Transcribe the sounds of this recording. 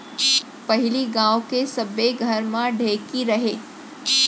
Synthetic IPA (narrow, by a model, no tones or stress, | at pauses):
pəɦiliɡãʋkesəbeɡʱəɾmãɖʱekiɾəɦe